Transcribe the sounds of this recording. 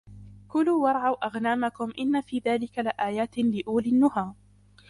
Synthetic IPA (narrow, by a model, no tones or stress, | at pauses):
kʊluːwɑɾˤʕawʔaɣnaːmakʊmʔɪnːafiːðaːlɪkalɪʔaːjaːt̪lɪʔuːlɪnːʊhaː